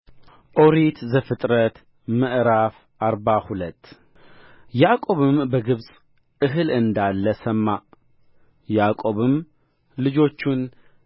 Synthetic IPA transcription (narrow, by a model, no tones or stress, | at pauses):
ʔo̞ɾit̪zəfɨt̪ʼɾət̪ | məʔɾaf | ʔaɾbahulət̪ː | jakʼo̞βɨmbəɡɨβsʼ | ʔɨɦɨlɨnd̪alːəsəmːa | jakʼo̞βɨm | lɨd͡ʒo̞t͡ʃːun